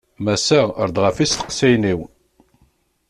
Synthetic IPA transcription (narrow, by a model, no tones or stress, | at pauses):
mæsæə̰ɾd̪ʁəfist̪ə̥qsæjniw